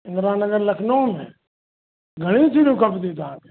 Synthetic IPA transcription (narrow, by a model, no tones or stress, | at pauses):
ɪ̃ŋɡɾaːnːəɡəɾlɐkʰnoõmẽ | ɡʱəɽ̃ĩt͡ʃʰiɽũkɐpd̪it̪ãːke̥